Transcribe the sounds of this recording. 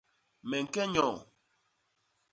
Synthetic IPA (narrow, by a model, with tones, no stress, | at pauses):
mɛ˨ŋ̩˨kɛ˦ɲɔ̃ː˨